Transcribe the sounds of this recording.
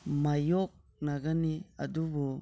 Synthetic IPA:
majɔk̚ | naɡania̰dubu

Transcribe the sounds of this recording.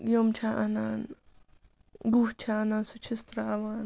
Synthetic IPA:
jomt͡ʃʰaʔɐnaːn | ɡuɦt͡ʃʰaːnaːnsut͡ʃʰist̪ɾaɐʋaːn

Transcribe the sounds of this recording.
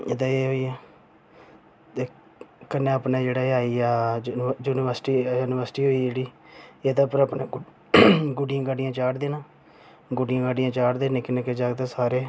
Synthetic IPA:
eːt̪ãːeːɦoːiːɛː | t̪eː | kənːeːəpneːd͡ʒeːɽaːeaːiːaːd͡ʒuːnɪʋəɾsʈijuːnɪʋəɾsʈiːɦoːiːd͡ʒeːɽiːeːt̪ãːpəɾapneː | ɡʊɖijãːɡaːɖɪjãːt͡ʃaːɽd̪eːnãː | ɡʊɖɪjãːɡaːɖɪjãːt͡ʃaːɽd̪eːneːkɪnẽːked͡ʒaːɡt̪ẽːsaːɾeː

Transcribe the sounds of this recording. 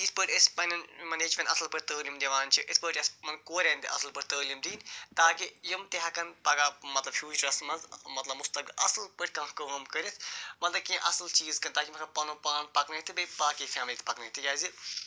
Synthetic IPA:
ispəːʈʲɐspɐnɐnmɐneːd͡ʒmʲẽnt̪ɐslpɐʈ̚ʲt̪əːlʲimd̪ʲiʋaːnt͡ʃʰiʔispəːʈɐsmɐnkoːɾʲẽːnd̪iʔɐ̰slpɐʈt̪əːlimd̪iːnt̪aːkijɐmt̪eɦɐkɐnpɐɡaːmɐt̪lɐbhjuːt͡ʃɐɾɐsmɐnzmɐt̪lɐbmʊst̪ɐblɐ̰slpəʈʰʲkɐ̃ãkəmkəɾit̪ʰmɐt̪lɐb̚kːʔɐslt͡ʃiːzkɐnt̪aːkimɐt̪lɐb̚pɐnũːpaːɳ̚pɐknɐt̪ʰɨbɐpaːkifʰɛːmliːt̪pɐknɐt̪ʰɨjaːzi

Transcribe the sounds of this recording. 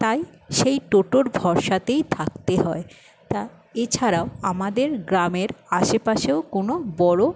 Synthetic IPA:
t̪ajʃejʈoʈoɾbʱɔɾʃat̪ejt̪ʰak̚t̪eɦɔe | t̪a | et͡ɕʰaɾaoamad̪eɾɡɾameɾaʃepaʃeokonobɔɽo

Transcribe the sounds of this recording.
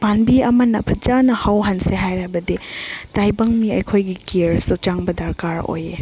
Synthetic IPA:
panbiɐmɐnɐpʰɐd͡ʒanɐhawɦɐnseɦajɾabɐditajbɐŋmiɐjkʰojɡikiɾsut͡ʃaŋbɐdɐɾkaɾo̰je

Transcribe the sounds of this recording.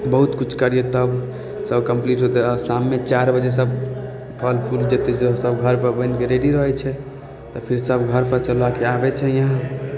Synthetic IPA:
bəɦut̪kut͡ʃʰkəɾijot̪əb | səbkəmpliʈɦot̪ɛɔɾsamːet͡ʃaɾbəd͡ʒes̬əb | pʰəlpʰuld͡ʒet̪esesəbɡʱəɾpəbəɪnkeɾeɖiɾəɦɛt͡ʃʰɛ | t̪ɔpʰiɾsəbɡʱəɾpəɾsəlakeabɛt͡ʃʰɛjãɦ

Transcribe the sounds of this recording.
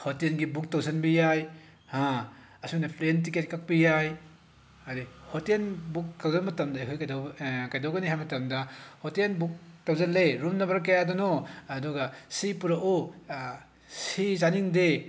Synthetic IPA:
hotenɡibuk̚tawzɐnbijaj | hã | ɐsunɐpʰɾent̬iket̚kak̚pijaj | adihotenbuk̚tawzanmɐtɐmdɐikʰojkajdkajdawɡɐniɦajmɐtɐmdɐhotenbuk̚tawzɐlːeɾumnɐbɐɾkɐjadɔnɔɐduɡɐsipuɾaʔu | sizaniŋde

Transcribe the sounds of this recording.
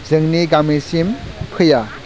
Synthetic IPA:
zɯŋniɡamisimpʰɯja

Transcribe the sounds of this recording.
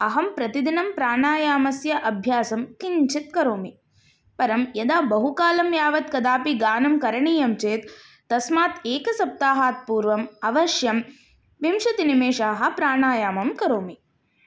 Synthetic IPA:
ɐɦɐmpɾɐt̪id̪inɐmpɾaːɳaːjaːmɐsjɐʔɐbʱjaːsɐmkiɲt͡ʃit̪̚kɐɾoːmi | pɐɾɐmjɐd̪aːbɐɦukaːlɐmjaːʋɐt̪kɐd̪aːpiɡaːnɐmkɐɾɐɳiːjɐmt͡ʃeːt̪ː | ɐsmaːt̪eːkɐsɐp̚t̪aːɦaːt̪̚puːɾʋɐmɐʋɐʃjɐm | ʋimʃɐt̪inimeːʂaːɦɐ̆pɾaːɳaːjaːmɐmkɐɾoːmi

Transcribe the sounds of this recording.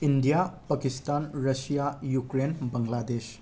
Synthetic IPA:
indijapɐkistanɾɐsijajukɾenbɐŋlades

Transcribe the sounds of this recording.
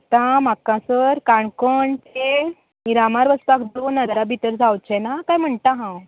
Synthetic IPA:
t̪ãm̤akãsəɾkaɳkəɳt̪e | iɾamaɾʋəspakd̪onəd̪ɾabʱit̪əɾd͡zawt͡ɕɛnakajm̤əɳt̪aɦãw

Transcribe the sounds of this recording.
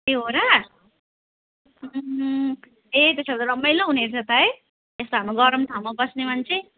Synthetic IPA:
eɦoɾa | et̪esabd̪lʌmːʌjlʌɦuneɾt͡sʰʌt̪ae | est̪oɦamɾuɡʌɾʌmt̪ʰawmabʌsnemʌnt͡sʰe

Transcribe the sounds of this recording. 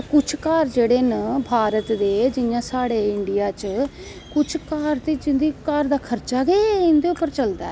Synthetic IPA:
kʊt͡ʃʰkaːɾd͡ʒeːɽeːnəbʱaːɾət̪d̪eːd͡ʒɪjãːsaːɽeːɪɳɖɪjaːt͡ʃ | kʊt͡ʃʰkaːɾt̪eːd͡ʒɪnd̪iːkaːɾd̪aːkʰəɾt͡ʃaːɡeːɪnd̪eːʊpːəɾt͡ʃəld̪a̰ː

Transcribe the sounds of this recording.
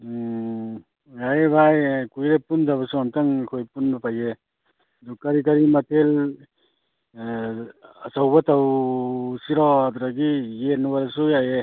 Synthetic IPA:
ajbʱajkujɾepundaβasuamtaŋkʰojpunbapaje | dukaɾikaɾimatʰel | asawbataw | siɾɔatuɾaɡijenwaɾasujaje

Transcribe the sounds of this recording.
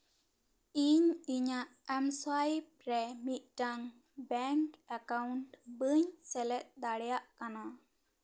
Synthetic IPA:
iɲiɲaʔɛmsajpɾɛmit̪̚ˀʈaŋ | bɛŋkakawɳʈbɨɲsɛlɛt̪̚d̪aɽɛjaʔkana

